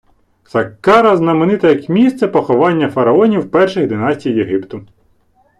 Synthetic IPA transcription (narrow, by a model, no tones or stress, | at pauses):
sɐkːɑɾɐznɐmenɪt̪ɐjɐkmʲist̪sɛpɔxɔʋɑnʲːɐfɐɾɐɔnʲiwpɛrʃɪɣd̪ɪnɑsʲtʲijjeɦɪpt̪ʊ